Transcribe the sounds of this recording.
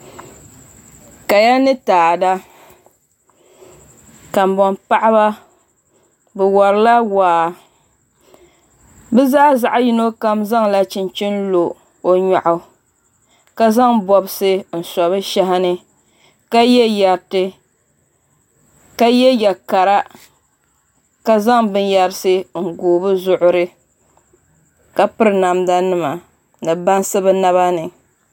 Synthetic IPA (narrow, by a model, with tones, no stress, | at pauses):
ka˨ja˦nɨ˦taː˨da˦ | ka˨m˨bɔ˨mpa˦ʔa˦ba˦ | bɛ˨wɔ˨ɾɨ˦la˦waː˨ | bɛ˦zaː˦za˨ʔa˦ji˦no˦ka˦mza˦ŋla˦t͡ʃɪ˨n˦t͡ʃi˦nlo˨ | o˨ɲa˨ʔʊ˨ | ka˦za˦ŋbɔ˨bɨ˦sɨ˦n̩˨sɔ˨βɨ˦ʃa˦ɦa˦nɨ˦ | ka˦jɛ˦ja˨ɾtɨ˦ | ka˦jɛ˦jɛ˨ka˨ɾa˦ | ka˦za˦ŋbɨ˦nja˨ɾɨ˦sɨ˦ŋ̩˨ɡoː˨bɨ˦zʊ˨ʔʊ˦ɾɨ˦ | ka˦pɨ˦ɾɨ˨na˨mda˦nɨ˦ma˨ | nɨ˨ba˦nsɨ˦bɨ˦na˦βa˦nɨ˨